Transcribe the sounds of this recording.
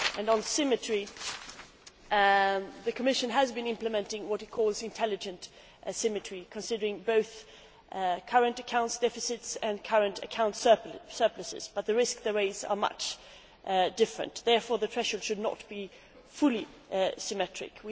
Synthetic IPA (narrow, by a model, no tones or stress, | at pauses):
ɨ̃nə̃nsɪmɨtɹ̥i | ðɨkʰəmɪʃɨ̃nəzbɨ̃nɪ̃mplɨmɛ̃ntɪ̃ŋwʌɾɨt̚kʰɔlˠzɨ̃ntʰɛlˠɨd͡ʒɨ̃nt | sɪ̃mɨtʰɹ̥ikʰɨ̃nsɪdə˞ɪ̃ŋboʊθ | kʰʌɹɨ̃ntɨkʰãʊ̃ntsd̥ɛfɨsɪtsɨ̃nkʰʌɹɨ̃ntɨ̰kʰãʊ̃ntssɜ˞plɨsɪ̰zb̥ʌt̪̚ðɨɹɪskðəɹeɪzə̰˞mʌ̰t͡ʃ | ʔd̥ɪfɹɨ̰̃nðɛɹfɔɹðɨtʰɹ̥ɛʃəlˠdʃɨdⁿnə̰t̚b̥i | fʊlˠi | sɨmɛtɹ̥ɪ̰kwi